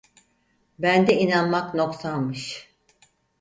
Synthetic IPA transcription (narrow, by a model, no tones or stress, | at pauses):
bænd̪ɛinanmakno̞ksanmɯʃ